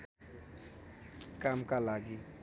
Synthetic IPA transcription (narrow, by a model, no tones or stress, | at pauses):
kamkalaɡi